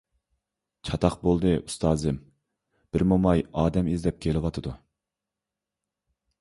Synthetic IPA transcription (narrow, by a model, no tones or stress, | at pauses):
t͡ʃʰɑt̪ʰɑqbolˠd̪ɨʔust̪ʰɑːzɪm | b̥ɪɾmumɑjɑːd̪ɛmizd̪ɛp̚kʲʰelɪwɑt̪ʰɨd̪u